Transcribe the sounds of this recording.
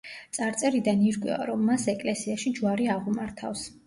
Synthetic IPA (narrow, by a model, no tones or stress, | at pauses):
t̪sʼaɾt̪sʼɛɾid̪aniɾɡwɛ̰a̰ɾɔmːasɛkʼlɛsiaʃid͡ʒwaɾiaʁumaɾt̪ʰa̰fs